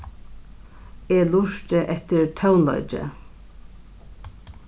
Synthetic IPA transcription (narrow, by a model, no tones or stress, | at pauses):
eːluʂt̪əʔɛt̪əɹt̪ʰawnlɔ̰ʏt͡ʃə̰